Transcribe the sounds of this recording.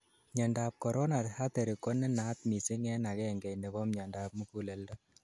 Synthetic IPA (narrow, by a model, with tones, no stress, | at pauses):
ɲa˨nda˨p̚kɔ˨ɾɔ˦na˨tha˦t̪ɛ˨ɾi˨kɔ˦nɛ˦na˨˦t̪mi˨si˦ŋɛ˦na˨kɛ˦˨ŋɡɛ˨jne˨bɔ˦mɲa˨nda˨p̚mu˦ku˦lɛ˨lda˦